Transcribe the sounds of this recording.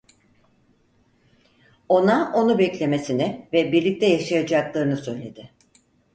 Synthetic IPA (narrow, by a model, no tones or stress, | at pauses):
o̞naʔo̞nubɛclʲe̞me̞sinɪvɛbiɾlʲic̚t̪ʰɛjaʃajad͡ʒaklˠaɾɯnɯsø̞jlʲe̞d̪ɪ